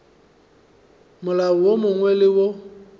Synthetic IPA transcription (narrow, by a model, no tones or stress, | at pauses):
mʊlaʊwomʊŋwɛlɪwo